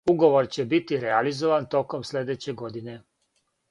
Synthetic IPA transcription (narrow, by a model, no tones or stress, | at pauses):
uɡo̞ʋo̞ɾt͡ɕebit̪iɾealizoʋant̪o̞ko̞msle̞d̪et͡ɕe̞ɡo̞d̪ine̞